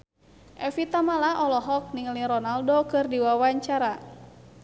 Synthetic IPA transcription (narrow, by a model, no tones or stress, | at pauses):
ʔɛfit̪amalaʔɔlɔɦɔk̚niŋlirɔnaldokɨrdiwawaɲt͡ʃaɾa